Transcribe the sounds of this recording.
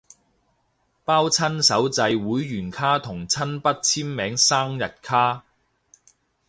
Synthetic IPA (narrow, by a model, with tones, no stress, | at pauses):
paː˥wt͡sʰɐ˥nsɐ˨˥wt͡sɐ˧jwuː˨˥jːyː˨˩nkʰaː˥t̪ʰʊ˨˩ŋt͡sʰɐ˥npɐ˥t̚t͡sʰiː˥mmɛː˨˥ŋsaː˥ŋjɐ˨t̚kʰaː˥